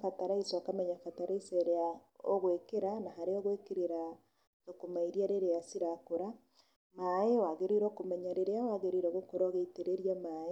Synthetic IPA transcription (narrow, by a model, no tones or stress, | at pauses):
fataɾaiswakamɛɲafataɾaisɛɾea | o̰ɣwekeɾanaɦaɾeɔɣwekeɾeɾa | tokomaiɾiaɾeɾeasiɾakoɾa | maewaɣeɾeɾɔkomɛɲaɾeɾeawaɣeɾeɾɔɣokoɾɔɣeiteɾeɾijamae